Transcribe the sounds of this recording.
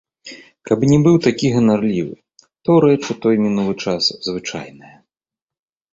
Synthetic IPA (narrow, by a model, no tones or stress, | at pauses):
kabnʲɛbɨwt̪akʲiɣɐnarlʲivɨ̰ | t̪ɔwɾɛt͡ʂɨt̪ɔjmʲinulˠɨt͡ʂaszvɨt͡ʂa̰jnɨjɐ